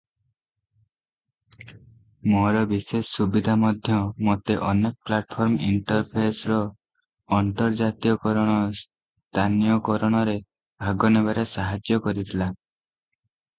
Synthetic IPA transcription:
moɾɔbisesːubid̪ʱamɔd̪ʱjɔmot̪eʔɔnek̚plaʈpʰɔɾmḭɳʈɔɾpʰesɾɔː | nt̪ɔɾd͡ʒat̪ijɔkɔɾɔɽ̃ɔs | t̪anijɔkɔɾɔɽ̃ɔɾe | bʱaɡɔnebaɾesaɦad͡ʒjɔkɔɾit̪ʰila

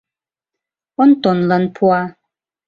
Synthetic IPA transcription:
ʔɔnt̪ɔnlənpʰwa

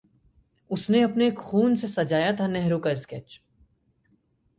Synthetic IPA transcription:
ʊsneɐpneːkxuːnsesɐd͡ʒaːjat̪ʰanɛɦɾõkaɪskɛt͡ʃ

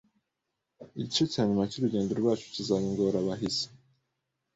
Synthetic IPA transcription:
iɟit͡ʃocihaɲumacuɾuɟeːndeɾoɾwaːt͡ʃu̥cizaβiŋɡoɾaβaɦiz̥e̥

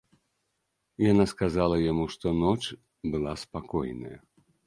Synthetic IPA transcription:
janaskazalˠɐjamuʂt̪ɔnɔt͡ʂ | bɨlˠaspakɔjnɐ̰jɐ̰

